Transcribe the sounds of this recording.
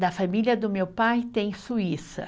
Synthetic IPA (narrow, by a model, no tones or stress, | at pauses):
d̪ɐfamiliɐd̪ʊmewpajt̪ẽj̃suisɐ̰